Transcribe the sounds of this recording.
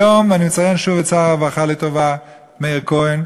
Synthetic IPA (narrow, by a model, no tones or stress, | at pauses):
omanimət͡sajɛnʃuvet͡saavaχaletova | meiʁkoin